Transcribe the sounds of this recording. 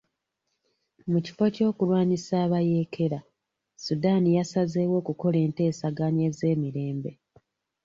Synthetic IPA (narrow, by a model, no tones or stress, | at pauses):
muci̥fo̞co̞ːkulwaːɲisaːβaje̞kʰe̞ɾa | sudaːnijasazewo̞ːkuko̞le̞ːnte̞ːsaɡaɲie̞ze̞ːmiɾe̞ːmbe